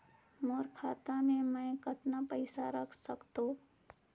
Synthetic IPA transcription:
moːɾkʰaːt̪amẽmɛ̃kət̪napəɪsaɾəkʰsəkt̪o

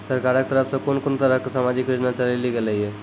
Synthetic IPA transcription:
səɾkaɾket̪əɾəpʰsẽkonkont̪əɾəɦkesamad͡ʒikɾed͡ʒnat͡ʃəleliɡeleɦiɦɛ

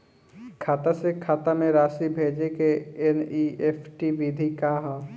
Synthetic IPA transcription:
kʰaːt̪asekʰaːt̪amẽɾaːsibʱeːd͡ʒekeeniepʰʈiʋid̪ʱikaɦə̃

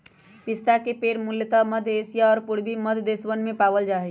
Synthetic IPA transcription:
pɪst̪akepeːɾmʊljət̪aməd̪ʱesijaɔːɾpʊɽ̤biməd̪ʱd̪eːsʋənmẽpaːbəld͡ʒaːɦɛ

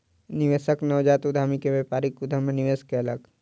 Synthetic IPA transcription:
niʋeːsəknəʋd͡ʒaːt̪ʊd̪ʱamikeʋeːpaːɾikʊd̪ʱəmenɪʋeːskeɐləɡ

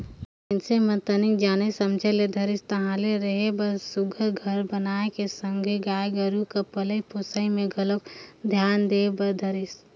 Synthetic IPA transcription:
ɪnsemət̪ənɪk̚d͡ʒaːnesɐmd͡ʒʱeled̪ʱɐɾɪst̪ɐɦãleɾɐɦebɐsʊɡʱəɾɡʱəɾbɐnaːekesə̃ŋɡʱeɡaːjɡəɾukapɐləjpoːsəimẽɡɐləkd̪ʱjaːnd̪eːbɐd̪ʱɐɾɪs

